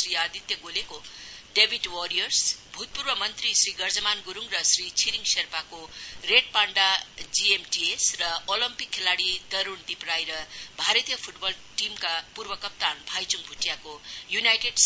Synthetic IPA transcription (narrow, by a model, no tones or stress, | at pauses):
sriad̪ʱit̪jʌɡolekoɖebʱiʈwʌɾijʌrsbʱut̪̚purbʌmʌnt̪risriɡʌrd͡zʌmanɡuɾuŋrʌsrit͡sʰiɾiŋsʌrpakoreʈ̚paɳɖad͡ziemʈiesrʌolimpikʰːelaɽid̪ʌɾund̪iprajɾʌbʱaɾʌt̪ijʌpʰuʈbʌl | ʈimkapurbʌkʌp̚t̪anbʱajt͡suŋbʱuʈijakojunajʈeɖs